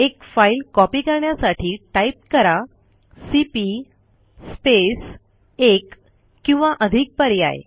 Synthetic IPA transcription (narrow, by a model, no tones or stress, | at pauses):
ekfailkɔpiːkəɾɳjasaʈʰiːʈaip̚kəɾa | sipi | spes | ek | kːĩw̃ʋãʔəd̪ʱik̚pəɾja̰j̰